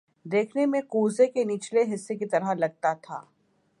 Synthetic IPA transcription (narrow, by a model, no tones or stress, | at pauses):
d̪eːkʰnemẽkuːzekeniːt͡ʃleɦɪsːekit̪ɐɾəɦlɐɡ̚t̪at̪ʰa̰ː